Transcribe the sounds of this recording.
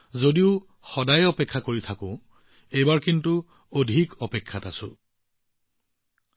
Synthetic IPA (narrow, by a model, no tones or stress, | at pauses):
zodiʊ | xɔdajɔpekʰːakoɹitʰakʊ̃ | ejbaɹkintu | odʱikɔpekʰːatasʊ̃